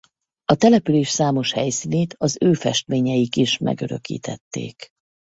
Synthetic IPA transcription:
ɒt̪ɛlɛpyleːʃsaːmo̞ʃhɛjsiːneːt̪ɒzøːfɛʃt̪meːɲɛjikiʃmɛ̰ɡø̰ɾø̰kḭːt̪ɛt̪ːḛːk

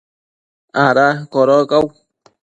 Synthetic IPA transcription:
aɾakoɾokaw

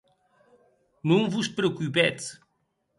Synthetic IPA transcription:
nõŋ̃vuspɾeokupɛt̪

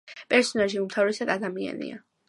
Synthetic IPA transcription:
pʼɛɾsɔnaʃiumt̪ʰavɾɛsad̪ad̪amia̰nḭa̰

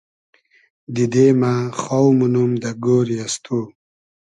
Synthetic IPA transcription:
d̪id̪emaχawmunumd̪aɡoɾijast̪ʰu

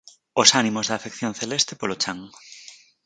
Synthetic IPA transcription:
osanimozðaːfekθjõnθelest̪e̥polot͡ʃaŋ

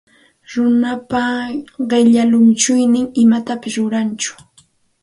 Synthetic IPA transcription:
ɾʊnapaɢɪʎalʊnt͡ʃʊjnɪŋɪmat̪apɪsɾʊɾant͡ʃʊ̥

